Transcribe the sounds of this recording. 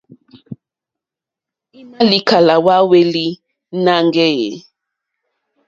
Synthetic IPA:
i˦ma˦li˦kʰa˨la˨wa˦we˦li˦ | na˦ŋɡɛ˦jɛ̰˨

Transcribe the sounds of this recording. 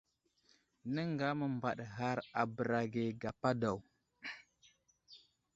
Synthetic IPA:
nə˦ŋɡa˦mə˨mba˨ɗɣa˦ɾa˨bə˨ɾa˨ɡe˨ɡa˨pa˦da˨w

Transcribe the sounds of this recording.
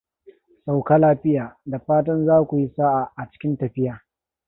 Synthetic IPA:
sa˨wkaː˦laː˦ɸɪ˦jaː˨da˨ɸaː˦tɐ˦nzaː˦kʷu˨ji˦sa˦ʔa˨ʔa˨t͡ʃɪ̥˦kʲɪ˦ntɐ˨ɸɪ˦jaː˨

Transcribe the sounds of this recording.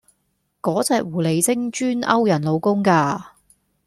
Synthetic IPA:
kɔː˨˥t͡sɛː˧k̚wuː˨˩le˨˧jt͡sɪ˥ŋt͡ʃyː˥nɐ̰˥wjɐ˨˩nlo˨˧wkʊ˥ŋkaː˧

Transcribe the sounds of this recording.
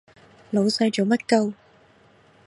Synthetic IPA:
lo˨˧wsɐ˧jt͡ʃoː˨˧mɐ˥t̚kɐ˧w

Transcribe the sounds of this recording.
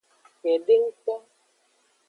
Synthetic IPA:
kɛ˨ɖe˦ŋ̩˦k͡pɔ˦

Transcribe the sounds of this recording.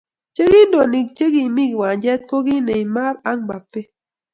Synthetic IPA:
t͡ʃe˦ɣi˦ndo˨ni˨k̚t͡ʃe˦ɡi˨mi˦kwa˨ɲd͡ʒɛ˦t̪̚ko˦ɣi˦ne˨i˨ma˦ɾa˦ŋɡ͡ba˨pe˦

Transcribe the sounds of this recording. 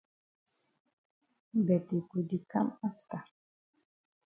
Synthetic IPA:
bɛ˨t̪e˨ku˨d̪i˨ka˦ma˦ft̪a˨

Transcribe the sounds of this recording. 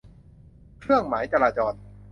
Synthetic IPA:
kʰɾɯ˥˩əŋmaː˩˦jt͡ɕaː˧ɾaː˧t͡ɕɔː˧n

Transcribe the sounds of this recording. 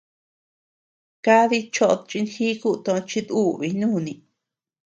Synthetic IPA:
ka˦ði˧t͡ʃo˧ʔo˧t͡ʃi˧nxi˦ku˦t̪õ˧t͡ʃi˧ðu˦βi˧nũː˦˨nĩ˧

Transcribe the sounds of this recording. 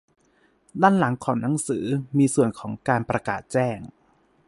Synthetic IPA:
daː˥˩nla˩˦ŋkʰɔː˩˦ŋna˩˦ŋsɯː˩˦miː˧su˨˩ənkʰɔː˩˦ŋkaː˧npɾa˧ka̰ː˨˩t̪̚t͡ɕɛː˥˩ŋ

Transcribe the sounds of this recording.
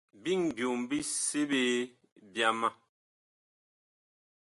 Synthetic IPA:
bi˦˨ŋbjo˨mbi˦se˦be˦ | bja˦ma˦

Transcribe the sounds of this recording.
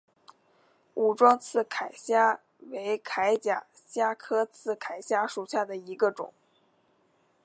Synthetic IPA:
u˨˩ʈ͡ʂwɑ˥ŋt͡sʰɹ̩˥˩kʰa˨˩ɪɕja˥ | we˧˥ɪkʰa˧˥ɪt͡ɕja̰˨˩ | ɕja˥kʰɤ˥t͡sʰɹ̩˥˩kʰa˨˩ɪɕja˥ʂu˨˩ɕja˥˩d̪ə˩i˧˥ɡə˧ʈ͡ʂʊ̰˨˩˦ŋ

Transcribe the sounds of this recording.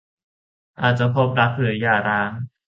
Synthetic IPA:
ʔaː˨˩t̪̚t͡ɕa˨˩pʰo˦˥p̚ɾa˦˥k̚ʰlɯ˩˦jaː˨˩ɾaː˦˥ŋ

